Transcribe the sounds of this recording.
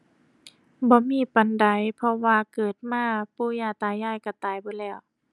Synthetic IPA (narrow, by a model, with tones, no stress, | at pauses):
bɔː˧˦miː˧˥˨pa˨˦nda˨˦jpʰɔ˧waː˧kɤː˨˩t̪̚maː˧˥˨puː˧˨jaː˧˩t̪aː˨˧˩jaː˧˥˨jka˧˩t̪aː˨˩jbɔː˧˦lɛː˧˩w